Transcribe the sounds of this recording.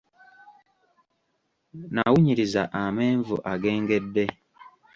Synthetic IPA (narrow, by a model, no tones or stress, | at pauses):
nawuɲiɾiza̰ʔameːɱvṵʔaɡe̞ːŋɡe̞dːe̞